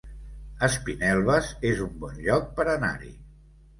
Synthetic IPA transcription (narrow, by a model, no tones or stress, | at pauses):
əspinɛlˠβəzezumbɔnʎɔk̚pəɾəna̰ɾḭ